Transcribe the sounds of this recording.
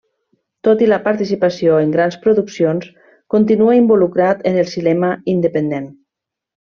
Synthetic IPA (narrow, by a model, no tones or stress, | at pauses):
t̪ot̪iləpaɾt̪isipasioeŋɡɾanspɾoðuksions | kont̪inuaimbulukɾat̪enəlˠsinɛməind̪əpend̪en